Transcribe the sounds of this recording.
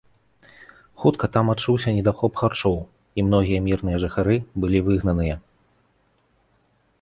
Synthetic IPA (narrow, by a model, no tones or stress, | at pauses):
xut̪kɐt̪amat̪̚t͡ʂuwsʲɐnʲɛd̪axɔpxart͡ʂɔw | imn̪ɔɣʲijɐmʲirn̪ɨjɐʐɨxaɾɨbɨlʲivɨɣnɐn̪ɨjɐ